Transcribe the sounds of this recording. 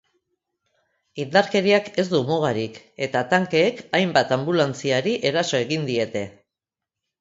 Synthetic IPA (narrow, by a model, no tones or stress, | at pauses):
ind̪aɾke̞ɾiake̞zd̪umoɣ̞aɾik | e̞t̪at̪aŋke̞ːkajmbat̪ambulant͡siaɾiʔe̞ɾaso̞e̞ɣind̪ie̞t̪e̞